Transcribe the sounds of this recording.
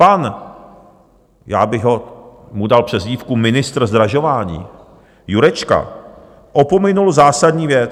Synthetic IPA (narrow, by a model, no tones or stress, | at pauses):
pan | ja̰ːbɪɣɦo̞ | mudalpr̥ɛzɟiːfkumɪnɪst̪rzd̪ɾaʒo̞vaːɲḭː | juɾɛt͡ʃka̰ | ʔopo̞mɪnulzaːsadɲiːvjɛt͡s